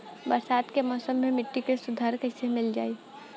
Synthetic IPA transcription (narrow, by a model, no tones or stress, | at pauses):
bɐɾsaːt̪kemɔːsəmːẽmɪʈːikesʊd̪ʱaːɾkɛɪsemɪld͡ʒaːiː